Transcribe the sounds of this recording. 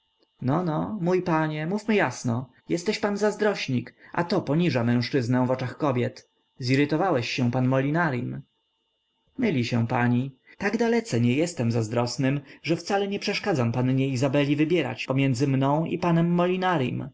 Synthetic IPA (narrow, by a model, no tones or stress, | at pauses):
nɔnɔmujpaɲɛmufmɘjasnɔ | jɛst̪ɛɕpanzazd̪ɾɔɕɲikʔa̰t̪ɔpɔɲiʐamɛ̃w̃ʂt͡ʂɘznɛ̃vɔt͡ʂaxkɔbʲjɛt̪ | ziɾɘt̪ɔvawɛɕːɛ̃panmɔlʲinaɾjim | mɘlʲiɕɛ̃w̃paɲit̪aɡd̪alɛt̪sɛɲɛjɛst̪ɛmzazd̪ɾɔsnɘmʐɛft̪salɛɲɛpʂɛʂkad̪zampanɲɛizabɛlʲivɘbʲjɛɾa̰t͡ɕpɔmʲjɛnd̪zɘmnɔ̃w̃ḭpanɛmːɔlʲinaɾjḭm